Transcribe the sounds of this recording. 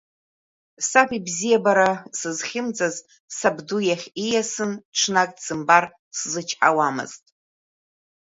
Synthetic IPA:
sapʰibzijabaɾasɨzχʲɪmd͡zaz | sabdujaχʲijasɨnʈ͡ʂʰnakʼsɨmbar | szɨt͡ʃʰʼħawamɨ̰z̥tʼ

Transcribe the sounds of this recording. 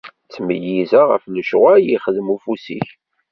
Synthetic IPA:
t͡sːməjizaʁə̰fnəʃʁæjiχəðmufusḭç

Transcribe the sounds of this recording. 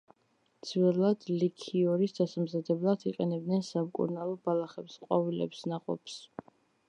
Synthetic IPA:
d̪z̥vɛlˠad̪̥likʰiɔɾisd̪asamzad̪ɛblˠad̪ʰiqʼɛnɛbd̪nɛnsamkʼṵɾnalˠɔbalˠaχɛpsqʼɔvilɛ̰psnaqʼɔ̰ps

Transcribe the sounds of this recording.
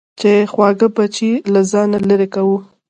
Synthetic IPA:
t͡ʃexwɑɡəbat͡ʃilazɑnaləɾekawu

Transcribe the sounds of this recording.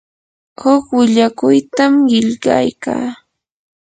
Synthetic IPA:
hʊkwɪʎakʊjt̪amɢɪʎɢɑ̰jka̰ː

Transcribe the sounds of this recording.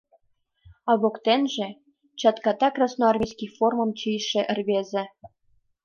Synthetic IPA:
ɑβokt̪enʒĕ | t͡ɕɑt̪kɑt̪ɑkrɑsnoɑrmʲijskʲixformɤ̆mt͡ɕijʃĕʔɘ̆rβezʲĕ

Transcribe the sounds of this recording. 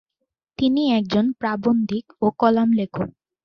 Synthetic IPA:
t̪iniɛk̚d͡ʑonpɾabond̪ʱikokɔlamlekʰo

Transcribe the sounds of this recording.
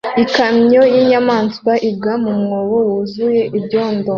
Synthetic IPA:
ikamɲo̞jiɲamaːnswaʔib̚ɡamumŋoβowuzuje̞ʔibɟo̞ːndo

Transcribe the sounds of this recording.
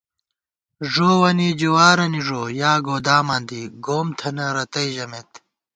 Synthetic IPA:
ʐoːwɐnid͡ʑowaːɾɐniʐoːjaːɡoːd̪aːmɐːnd̪iɡoːmt̪ʰɐnɐɾɐt̪ɐiʑɐmet̪

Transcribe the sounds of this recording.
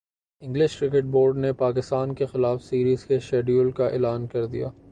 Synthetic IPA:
ɪ̃ŋɡlɪʃkɾɪk̬ɪʈ̚boːɾɖnepaːkɪst̪aːnkexɪlaːfsiːɾiːzkeʃɛːɖjuːlkaʔḛːlaːnkɐɾd̪ḭja̰ː

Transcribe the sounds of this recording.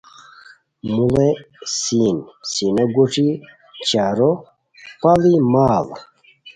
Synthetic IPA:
mule | sinsinoɡuʈ͡ʂi | t͡ɕaɾo | palimaːl

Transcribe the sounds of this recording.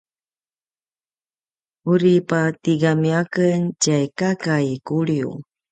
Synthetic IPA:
uɾipatiɡamiakəncajkakajkuɭiṵ

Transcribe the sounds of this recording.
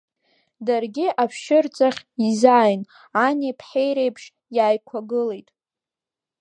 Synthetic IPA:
darɡʲɪʔapʰʃɪrt͡sʼaχʲizaːjn | anepʰħejɾejpʰʂ | jaːjkʷʰaɡɨlejtʼ

